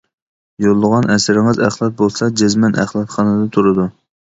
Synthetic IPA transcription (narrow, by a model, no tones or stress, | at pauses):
jolˠːəʁɑnɛsɪɾɪŋɨzæχlˠɑt̪̚bolˠsɑd͡ʒezmɛnʔæ̰χlˠɑt̪χɑnɨd̪ɑt̪ʰuɾɨd̪u